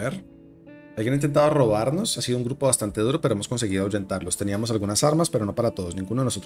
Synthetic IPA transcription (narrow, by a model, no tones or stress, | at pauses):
eɾ | alɡjenint̪ent̪aðoro̞β̞aɾno̞sasiðouŋɡɾupo̞βast̪ant̪e̞ð̞uɾo̞peoemosko̞ns̬e̞ɣiðoawʝe̞nt̪aɾlo̞st̪e̞niamo̞salɣunasaɾmaspe̞ɾo̞no̞paɾat̪oð̞o̞snĩŋɡunoðenoso